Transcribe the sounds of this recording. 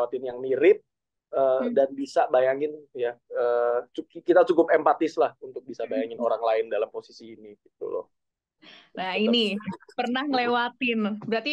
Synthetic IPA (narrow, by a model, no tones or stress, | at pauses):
wat̪ɪnjaŋmiɾɪp̚ | ədanbisabajaŋɪnjaəːt͡ʃukit̪at͡ʃukʊpɛmpat̪ɪslahunt̪ʊk̚bisabajaŋɪnoɾaŋlaɪndalamposisiːniɡit̪ṵlɔ̰ | nainipərnahŋəlewat̪ɪnbəɾat̪i